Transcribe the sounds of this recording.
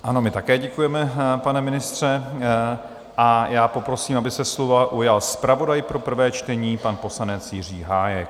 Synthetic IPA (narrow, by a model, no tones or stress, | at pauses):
ʔano̞mɪt̪akɛːɟɛkujɛmɛpanɛmɪnɪst̪r̝̥ɛ | ʔajaːpo̞pɾo̞siːmʔabɪsɛslovaʔujalspɾavo̞dajpɾo̞pr̩vɛːt͡ʃt̪ɛɲiːpanpo̞slanɛt͡sjɪr̝iːɦaːjɛk̚